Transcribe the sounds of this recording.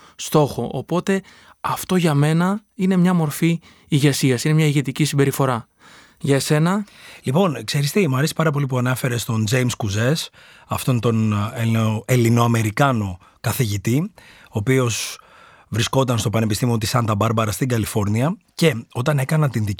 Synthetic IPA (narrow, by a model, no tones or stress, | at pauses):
st̪o̞xo̞ʔopo̞t̪e̞ | ɐft̪o̞ʝɐme̞nɐine̞mɲɐmo̞ɾfi | iʝe̞siɐsine̞mɲɐiʝe̞t̪icisimbe̞ɾifo̞ɾɐ | ʝɐse̞nɐlipo̞nkse̞ɾist̪imɐɾesi̥pɐɾɐp̬o̞lip̬uɐnefe̞ɾest̪o̞nd͡ʒe̞jmskuze̞s | ɐft̪o̞nt̪o̞neoe̞lino̞ɐme̞ɾikɐno̞ | kɐθiʝit̪io̞ːpio̞s | vɾisko̞t̪ɐnst̪o̞pɐne̞pist̪imio̞t̪isɐnd̪ɐbɐɾbɐɾɐst̪iŋɡɐlifo̞ɾniɐ | ce̞o̞t̪ɐne̞kɐnɐt̪inði